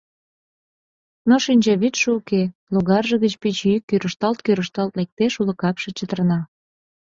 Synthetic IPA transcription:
noʃinʲd͡ʑɑβit̪ʃeukeluɣɑrʒə̆ɣət͡ɕpit͡ɕyikːøɾəʃt̪ɑlt̪̚køɾəʃt̪ɑlt̪lek̚t̪eʃulə̆kɑpʃĕt͡ɕət̪ərnɑ

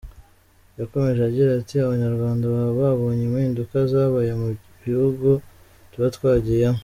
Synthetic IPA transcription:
jako̞me̞ʒeaɟiɾatiaβaɲaɾɡwaːndaβaβoβaβo̞ːɲemiːndukazaːβajemu | βihuɡu | tuβatkwaːɟijamo

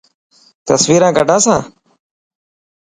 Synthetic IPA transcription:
t̪əsʋiːɾãːɡəɖʱãːsãː

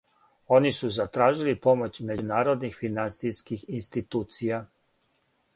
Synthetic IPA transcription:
o̞nisuzat̪ɾaːʒilipo̞mo̞t͡ɕme̞d͡ʑunaːɾo̞d̪nixfinant̪sijskixinst̪it̪uːt̪sija

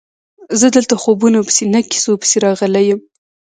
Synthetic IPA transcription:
zəd̪əlt̪axobunapə̥senaki̥sopə̥seɾɑɣəlajəm

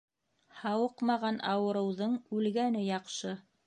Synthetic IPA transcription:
hɑwɤqmɑʁɑnʔɑwɤ̆ɾɤ̆wðɤɴʉlɡænɘjɑqʃɤ

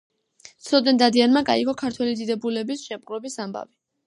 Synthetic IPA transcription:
t̪sʰɔd̪ɛnd̪ad̪ianmaɡaiɡɔkʰaɾt̪ʰwɛlid̪id̪ɛbulɛbisʃɛmχʼɾɛbisamba̰vi

